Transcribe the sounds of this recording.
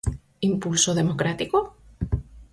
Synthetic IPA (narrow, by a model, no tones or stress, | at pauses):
impulsoðe̞mokɾat̪iko